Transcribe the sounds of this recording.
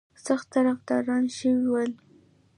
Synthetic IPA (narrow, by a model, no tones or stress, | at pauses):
saxt̪ːaɾafd̪ɑɾɑnʃəwiwəl